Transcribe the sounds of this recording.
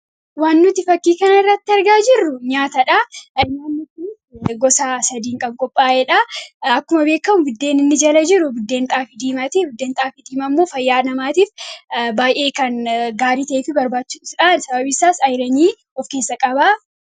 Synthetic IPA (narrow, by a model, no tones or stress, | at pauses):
waːnːʊt̪ɪfɐkːiːkɐnɐɪrːɐt̪ːɪɐɾɡaːd͡ʒɪrːʊɲaːt̪ɐᶑɐɪnːanːɔkʊn | ɡɔsaːsɐd̪iːŋkʼɐbkʼɔpʼːaːʔeᶑɐɐkːʊmɐbe̞ːkːɐmʊbʊd̪ːe̞ːnɪnːɪd͡ʒɐlɐd͡ʒɪɾʊbʊd̪ːeːnt̪ʼaːfɪd̪iːmɐt̪ibʊd̪ːe̞ːnt̪ʼaːfɪd̪iːmɐmːo̞ːfɐjːaːnɐmaːt̪iːfbaːjʔe̞ːkɐnɡaːɾiːt̪ɐʔeːfɪbɐɾbaːt͡ʃːuːᶑɪsᶑaːnsɐbɐbɪsːaːsɐjɾɐɲiː | ɔfke̞ːsːɐkʼɐba